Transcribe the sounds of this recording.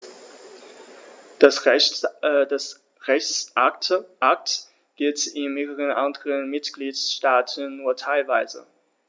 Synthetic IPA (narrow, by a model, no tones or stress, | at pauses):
das | ʁɛçt͡sʔaʔak̚t | ɡ̥ɪltɪnmeːʁəʁənʔandəʁənmɪtɡ̥liːtsʃtaːtʰn̩ːuːɐtʰaɪlvaɪzə̰